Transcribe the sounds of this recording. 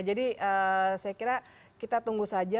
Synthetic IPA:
d͡ʒadiəsajakiɾa | kit̪at̪uŋɡusad͡ʒa

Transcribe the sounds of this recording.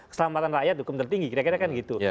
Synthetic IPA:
əsəlamat̪anrajat̪̚hukʊmt̪ərt̪iŋɡikiɾakiɾakanɡit̪u

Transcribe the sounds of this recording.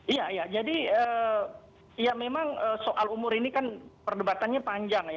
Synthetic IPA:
ijaijad͡ʒadiəː | ijamemaŋəːsoʔalumʊɾinikanpərdəbat̪anɲapaɲd͡ʒaŋja

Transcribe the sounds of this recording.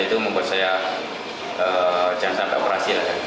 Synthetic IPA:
it̪uməmbuat̪̚saja | əd͡ʒaŋant̪ant̪a̰ʔbəɾhasilahka

